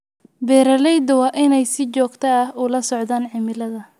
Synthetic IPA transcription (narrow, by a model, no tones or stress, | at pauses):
bɛːɾɐlɛjd̪ɐwɑːʔɪnɛjsɪt͡ʃɔːɡt̪ʰɐɐhʊlɐsɔʕd̪aːnʕɪmɪlɐðɐ